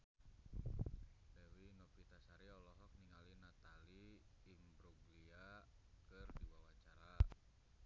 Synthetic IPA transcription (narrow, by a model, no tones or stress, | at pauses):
lɛwinɔpit̪asaɾiɔlɔɦɔk̚niŋalinat̪aliːmbɾuɡlia | kɨrdiwawat͡ʃaɾa